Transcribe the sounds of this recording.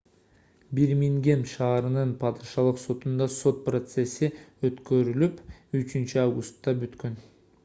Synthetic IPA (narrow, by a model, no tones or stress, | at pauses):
biɾmiŋɡe̞mʃɑːɾɯnɯnpʰɑd̪ɨʃɑlˠɯqso̞t̪und̪ɑso̞t̪̚prot̪se̞sːiøt̪kø̞ɾylypyt͡ʃynt͡ʃyɑvɡʊst̪ːɑbyt̪kø̞n